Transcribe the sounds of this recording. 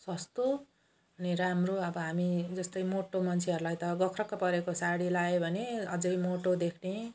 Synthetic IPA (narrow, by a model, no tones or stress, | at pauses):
sʌst̪o | ʌniɾamroʌbʌɦamid͡zʌst̪ʌjmoʈomʌnt͡sʰeɦʌɾulajt̪ʌɡʌkʰrʌkːapʌɾekosaɽilaebʱʌneʌd͡zʌjmoʈod̪ekʰne